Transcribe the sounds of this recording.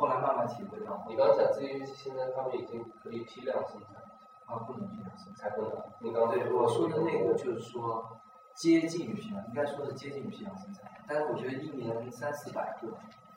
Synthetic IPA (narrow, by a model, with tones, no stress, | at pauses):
xla˧˥ɪma˥˧nma˧˩nt̪ʰi˨˩xe˥˧ɑ˥˩˨ni˨˩˧ɑ˥˩ja˨˩t͡sɹ̩˥˩t͡ɕi˧˥˩ɕi˥ɕi˥nə˥nt̪ʰa˥mə˧ni˨˩t͡ɕi˥ŋkʰɤ˧˥i˨˩pʰi˥ljɑ˥˧ŋɕi˧˥nt͡sa˥˩lʰ | a˥˧pu˥˩ʊ˧˥ŋpʰi˧˥ljɑ̰˥˩ŋɕi˧˥nt͡sʰa˥kə˥˩˧i˥˩kɑ˥t̪e˥˩˥wɔ˨˩ʂwɔ˥ə˧ne˥˩ɪku˥t͡ɕjo˥˧ʊʂɻ̩˥˩ʂwɔ˥ | t͡ɕjɛ˥t͡ɕi˥˩nny˨˩ɕi˧˥nlə˨˩i˥ŋka˥ɪʂwɔ˥də˧ʂɻ̩˥˩t͡ɕjɛ˥t͡ɕi˥˩ny˨˩i˧˥jɑ˥˩ŋɕi˥nt͡sa˥˩lt̪a˥˧ʂɻ̩˥˩wɔ˨˩t͡ɕɥɛ˧˥d̪ə˧i˥˩njɛ˧˥n˥sa˥nsɹ̩˥˩pa˨˩ɪt̪wu˥˩